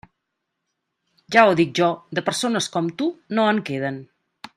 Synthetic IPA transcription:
ʒaoðik̚ʒɔd̪əpəɾsonəskɔmt̪unoəŋkeð̞ən

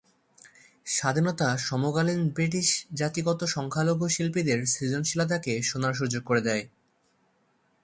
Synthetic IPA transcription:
ʃad̪ʱinɔt̪aʃɔmoɡalinbɾiʈ̬iʃd͡ʑat̪iɡɔt̪oʃɔŋkʰaloɡʱoʃilpid̪eɾsid͡ʑonʃilat̪̬akeʃonaɾʃ̬ud͡ʑoɡ̚koɾed̪ɛe

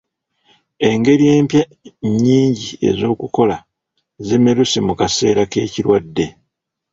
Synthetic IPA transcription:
e̞ŋɡe̞ɾije̞ːmpja | ɲːiːɲɟie̞̰zo̞ːkuko̞la | zeme̞ɾusimukase̞̰ːɾake̞̰ːciɾwadːe̞

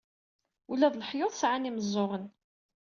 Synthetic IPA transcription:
ulæðləħjoðˤsʕaniməzˤːʊʁən

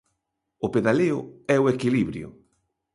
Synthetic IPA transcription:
ʊpeðaleʊ̰ɛoekiliβɾjʊ̰

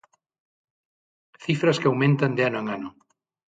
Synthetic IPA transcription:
θifɾɐskeawmẽnt̪and̪eanoẽŋanʊ

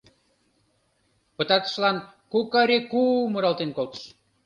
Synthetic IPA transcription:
pə̆t̪ɑt̪ə̥ʃlɑn | kukɑɾekuməɾɑlt̪enkolt̪ə̥ʃ

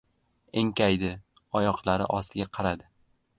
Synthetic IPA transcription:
eŋkʲajd̪ɪ | ɒjɒqlˠaɾɪ̰ʔɒst̪ʰɪɡʲaqʰɑɾad̪ɪ

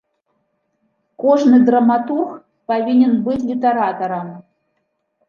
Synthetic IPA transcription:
kɔʐnɨd̪ɾɐmat̪urx | pavʲinʲɛnbɨt͡sʲlʲit̪ɐɾat̪ɐɾɐm

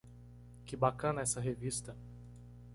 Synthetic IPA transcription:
kɪbakɐ̃nɐɛsɐɦevist̪ɐ

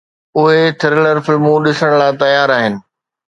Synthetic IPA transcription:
ʊɦet̪ʰɪɾɪləɾfɪlmũɗɪsəɽ̃laːt̪ɐjaːɾaːɦɪnɪ̆

